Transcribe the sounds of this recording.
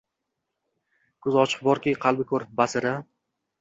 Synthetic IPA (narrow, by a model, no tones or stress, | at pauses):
kʰʊzɒt͡ʃʰɨ̥q̚bɒɾkʲiqʰɑlˠbɪkʰɵɾbasɪɾa